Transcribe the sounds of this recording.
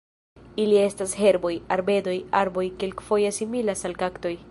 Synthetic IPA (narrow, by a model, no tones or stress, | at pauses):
ilie̞stashe̞ɾbo̞jaɾbe̞do̞jaɾbo̞jkelkfo̞jesimilasalkakto̞j